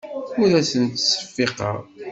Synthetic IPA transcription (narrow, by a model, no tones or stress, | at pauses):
ʊɾæsənt̪sə̥fːeqɑ̰ʁ